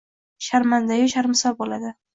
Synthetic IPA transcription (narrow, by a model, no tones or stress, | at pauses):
ʃaɾmand̪ajʊʃaɾmɪsɒlbolad̪ɪ